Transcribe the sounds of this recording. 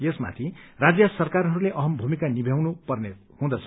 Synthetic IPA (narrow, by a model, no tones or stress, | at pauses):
jesma̰t̪ʰirad͡zjʌsʌrkarɦʌɾuleʔʌɦʌmbʱumikanibʱjawnupʌrne | hũd̪ʌt͡sʰʌ